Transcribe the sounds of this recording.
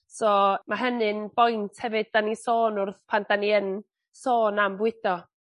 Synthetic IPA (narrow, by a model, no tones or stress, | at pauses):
sɔːmaɦənɨnb̥ɔjntʰhɛvɨd̚ːanisoːnʊrθpʰand̥aniən | soːnambwɪd̥ɔ